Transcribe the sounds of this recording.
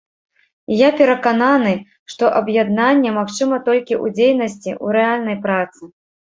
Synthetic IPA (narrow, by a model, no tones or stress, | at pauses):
japʲɛɾɐkananɨ | ʂt̪ɔʔɐbjɛd̪nanʲːɛmaxt͡ʂɨmɐt̪ɔlʲkʲiʔṵd͡zʲejnɐsʲt͡sʲiʔṵɾɛalʲnɐjpɾat̪sɨ